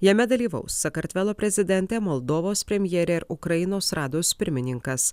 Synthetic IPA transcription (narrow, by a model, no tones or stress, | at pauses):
jɛmʲɛd̪ɐlʲiːʋɐ̰ʊsːɐkɐɾʲt̪ʲʋʲɛlˠoːpʲɾʲɛzʲɪd̪ʲɛnʲt̪ʲɛmoːlˠd̪oːʋoːspʲɾʲɛmʲjɛːɾʲɛɪɾʊkɾɐjɪnoːsɾɑːd̪oːspʲɪɾʲmʲɪnʲɪŋkɐs